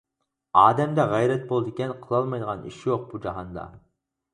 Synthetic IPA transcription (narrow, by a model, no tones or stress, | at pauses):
ɑːd̪ɛmd̪ɛʁɛjɾɛt̪̚bolˠd̪ɪkʲɛnqʰəlˠɑlˠmɑjd̪əʁɑnḭʃjoq̚bud͡ʒɑɦɑnd̪ɑ̰